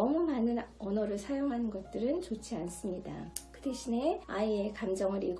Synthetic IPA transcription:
ʌmumanɯnʌnʌɾɯɭsʰajoŋɦanɯnɡʌt̚t͈ɯɾɯnt͡ɕot͡ɕʰians͈ɯmɲida̰kɯde̞ɕʰine̞aiekamd͡ʑʌŋɯɾiɭɡ

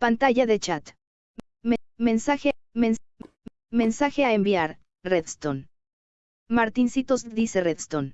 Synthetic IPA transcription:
pant̪aʝaðe̞t͡ʃat̪ | mmẽnsaxemen | me̞nsaxeaembiaɾ | reðst̪on | maɾt̪insit̪osðise̞reðst̪on

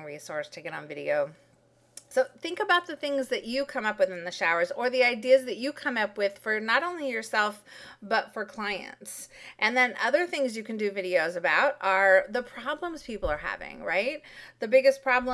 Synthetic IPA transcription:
ŋɹisɔɹstʰɨɡɛɾn̩vɪɾḭoʊ | soʊθɪ̃ŋkəbaʊt̪̚ðɨθɪ̃ŋzðɨt͡ʃɨkʰʌ̃mʌpwɨθɪ̃nðɨʃaʊə˞zə˞ðiaɪdiɨzðɨt͡ʃɨkʰʌ̃mʌpwɪð̥fə˞nəɾõʊ̃nlijə˞sɛlˠfb̥ʌtfə˞kʰl̥aɪɨ̰̃ntsʔɨ̃nðɨ̃nʔʌðə˞θɪ̃ŋzjɨkɨ̃n̩dɨvɪɾioʊzɨbaʊɾə˞ðəpʰɹ̥ɑblə̃mz̥pʰipl̩ˠə˞ɦæ̰vɪ̰̃ŋɹaɪt̚ðɨbɪɡɨspʰɹ̥ɑblə̃

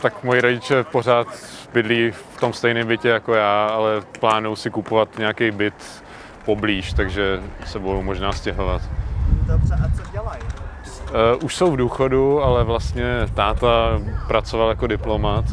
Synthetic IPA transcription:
t̪akmojɪɾoɟɪt͡ʃɛpo̞r̝aːt̪bɪdliːft̪o̞mst̪ɛjnɪmbɪcɛjakojaːalɛplaːnuwsɪkupovat̪ɲɛakejbɪt̪ | pobliːʃt̪aɡʒɛsɛbojowmoʒnaːscɛɦovat̪ | ɛlaj | ʔuʃsowvduːxo̞dualɛvlast̪ɲɛt̪aːt̪apɾat͡sovaljakodɪplo̞mat̪

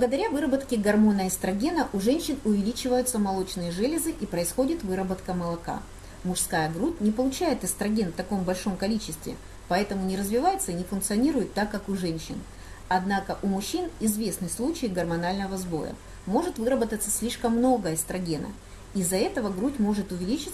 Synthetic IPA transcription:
blˠəɡəd̪ɐɾʲavɨɾəbət̪kʲɪɡɐrmo̞nəɪst̪ɾɐɡʲe̞nəʔʊʐɛnʲɕːɪnʊvʲɪlʲit͡ɕɪvəjʊt̪səmɐlˠo̞t͡ɕnɨjəʐɛlʲɪzɨʔipɾəɪsxo̞dʲɪt̪vɨɾəbət̪kəməlˠɐka̰ | mʊʂskajəɡɾutʲnʲɪpəlˠʊt͡ɕæjɪt̪ɨst̪ɾɐɡʲenft̪ɐko̞mbɐlʲʂo̞mkɐlʲit͡ɕɪst̪vʲɪ̰ | pɐɛt̪əmʊnʲɪɾəzvʲɪvajɪt̪səinʲɪfʊnkt̪sɨɐnʲiɾʊjɪt̪ːakːakʊʐɛnʲɕːɪ̰n | ɐd̪nakəʔʊmʊɕːinɪzvʲe̞snɨslˠut͡ɕɪjɡərmɐnalʲnəvəzbo̞̰jə̰ | mo̞ʐɨt̪vɨɾəbət̪ət̪sə̥sʲlʲiʂkəmːno̞ɡəɪst̪ɾɐɡʲe̞nə̰ | izɐɛt̪əvəɡɾutʲmo̞ʐɨt̪ʊvʲɪlʲit͡ɕɪ

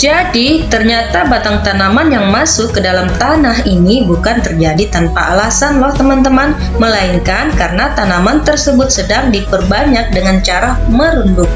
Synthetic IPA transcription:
d͡ʒadit̪ərɲat̪abat̪aŋt̪anamanjaŋmasʊkːədalamt̪anaɦinibukant̪ərd͡ʒadit̪anpaʔalasanlɔht̪əmant̪əman | məlaiŋkankarənat̪anamant̪ərsəbʊt̪̚sədaŋdipərbaɲak̚dəŋant͡ʃaɾaməɾundʊk̚

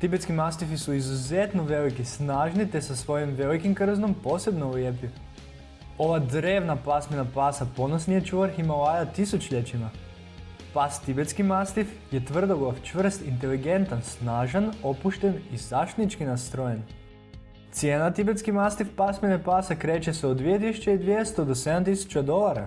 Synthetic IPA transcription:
t̪ibet̪skimast̪ifisuizuze̞t̪noʋe̞likisnaːʒnit̪e̞sasʋo̞jomʋe̞likimkr̩zno̞mpo̞ːse̞bnouljepju | o̞ʋad̪ɾe̞ːʋnapasmenapasapo̞nosnijet͡ʃuʋaɾximolajat̪isut͡ʃʎet͡ɕima | past̪ibe̞t̪skimast̪if | jet̪ʋr̩d̪oɡaft͡ʃʋr̩st̪int̪e̞liɡe̞nt̪ansnaːʒano̞puʃt̪e̞nizaʃt̪nit͡ʃkinast̪ɾoje̞n | t̪sijeːnat̪ibe̞t̪skimast̪ifpasminepasakɾe̞ːt͡ɕeseod̪ʋijet̪̬isu̥t͡ɕeid̪ʋijest̪od̪ose̞d̪amt̪isu̥t͡ɕad̪o̞lˠaɾa̰

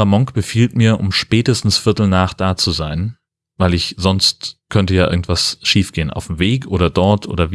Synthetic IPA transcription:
amɔŋkb̥əfiːltmiːɐʔʊ̰mʃpɛːtəstn̩sfɪɐtl̩naːχd̥aːt͡suzaɪn | vaɪlɪçz̥ɔnstkʰœntəjaːʔɪ̰ɐɡŋ̩tv̥asʃiːfɡ̥eːənʔa̰ʊfm̩veːkʔoːɾɐdɔɐtʰʔo̰ːɾɐv

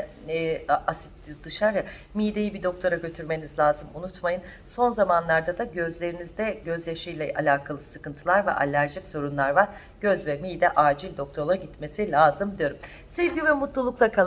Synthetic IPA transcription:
asi̥t̪id̪ɯʃaɾa | miːd̪ejibid̪o̞k̚t̪ʰo̞ɾaɟø̞t̪ʰyɾme̞nizlʲaːzɯmunut̪majɯn | so̞nzamanlˠaɾd̪ad̪aɟø̞zlʲe̞ɾinizd̪ɛɟøzjaʃɯjlʲɛʔalʲaːkʰalˠɯsɯkɯnt̪ʰɯlˠaɾvɛ̰ʔa̰lʲːæɾd͡ʒɛcz̥o̞ɾunlˠaɾvaɾ | ɟ̥øzvɛmiːd̪ɛʔaːd͡ʒilʲd̪o̞kt̪ʰolˠaɟit̪me̞silʲaːzɯmd̪ijo̞ɾum | sevɟivɛmut̪lˠulˠuklˠakʰa

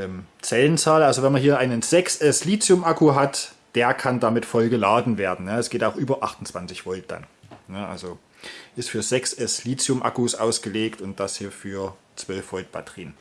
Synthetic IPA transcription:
ʔɛmt͡sɛlənt͡saːlalzovɛnmanhɦiːɐʔaɪnənzɛksʔɛsliːt͡sjʊmʔakuɦat | d̥eːɐkʰandamɪtfɔlɡəlaːdn̩veːɐdn̩nəɛsɡ̥eːtaʊxʔyːbɐʔaχtʊn̩t͡sv̥ant͡sɪçv̥ɔlt̚d̥a̰nnəʔa̰lzo | ʔɪstfyːɐzɛksɛsliːt͡sjʊmʔa̰kusʔa̰ʊsɡ̥əleːktʊnt̚d̥ashiːɐfyːɐ | t͡sv̥œlfv̥ɔt̚b̥a̰tʰʁ̥ḭːn

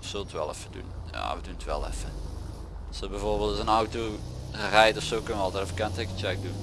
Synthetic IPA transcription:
ɔfsølˠtʋɛ̰lˠɛ̰fədṵnja̰ʋədunətʋɛ̰lˠɛ̰fə | sobɛvoːrbeːlˠtzənawto | rɛjtɔfsoːkənʋɔlˠtɛɾfəkɛntekət͡ʃɛk̚dun

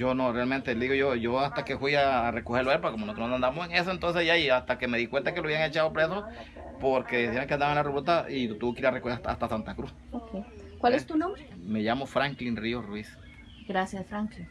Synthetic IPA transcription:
d͡ʒonorealment̪elðiɣoʝojoast̪akefwiaːrekoheloepoɾkokomonot̪omand̪and̪aamoseŋe̞soent̪ons̬esʝaiast̪akeme̞ðikwent̪akeloaβjiaŋet͡ʃaðopɾeso | poɾkeðisjeɾaŋkeand̪aβaenlareβolt̪ailot̪ukiɾiarekoheat̪aa̰st̪asant̪akɾus | okej | kwalet̪unõmbɾemeʝamofɾaŋklinriorwis | ɡɾasjasfɾaŋkliŋ

